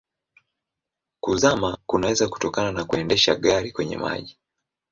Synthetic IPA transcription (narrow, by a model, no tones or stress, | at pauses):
kuzamakunawɛzaku̥tɔkananakuɛndɛʃaɠaɾikwɛɲɛ̰ma̰ʄi